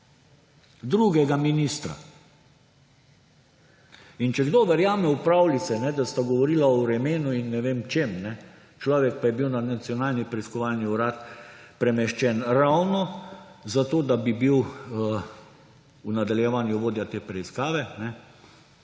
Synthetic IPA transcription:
d̪ɾuɡɛɡaminist̪ɾa̰ | int͡ʃɛɡd̪oʋɛɾjaːmɛupɾawlit̪sɛnɛd̪ast̪aɡɔʋɔɾilaɔɾɛmeːnuinːɛʋemt͡ʃemnɛ | t͡ʃlɔːʋɛk̚pajɛbiwnanat̪sjɔnaːlnipɾɛiskɔʋalniuɾat̪pɾɛmɛʃt͡ʃɛnɾawnɔzat̪oːd̪abibiw | unad̪aljɛʋanjuʋoːd̪jat̪eːpɾɛiskaːʋɛnɛ

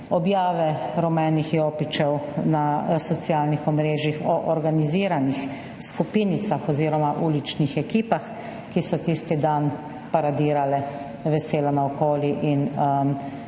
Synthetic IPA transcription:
ɔbjaːʋɛɾɔmɛːnixjoːpit͡ʃɛwnasɔt̪sijaːlnixɔmɾeːʒixɔʔɔɾɡaniziːɾanix | skupiːnit̪saxɔziːɾɔmaʔuːlit͡ʃnixɛkiːpax | kisɔt̪ist̪id̪an | paɾad̪iːɾalɛ | ʋɛseːlanaɔkoːliʔin

